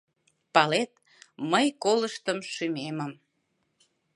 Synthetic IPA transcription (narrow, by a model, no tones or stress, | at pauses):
pɑlet̪̚ | məjkoləʃt̪əmʃymeməm